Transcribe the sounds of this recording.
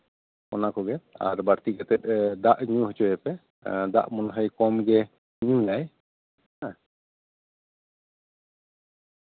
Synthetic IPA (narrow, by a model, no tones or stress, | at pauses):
ɔnakɔɡɛt̪a̰ɾbaɾt̪ikat̪ɛt̪̚ˀd̪aʔɲũɦɔt͡ʃɔɦɛpɛ | d̪a̰ʔmɔnɦəjkɔmɡɛ | ɲulaj | hã